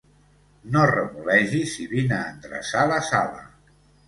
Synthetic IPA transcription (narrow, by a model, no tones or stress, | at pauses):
norəβulɛʒisiβinəːnd̪ɾə̰saləsalə̰